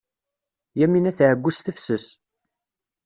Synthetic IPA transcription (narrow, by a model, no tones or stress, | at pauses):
jæminæθʕəɡʷːusθəfsəs